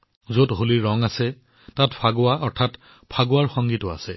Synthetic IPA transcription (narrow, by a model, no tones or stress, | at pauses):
zotɦoliɹɔŋasɛ | tatpʰaɡʊaʔɔɹtʰat | pʰaɡʊwaɹxɔŋɡitʊa̰sɛ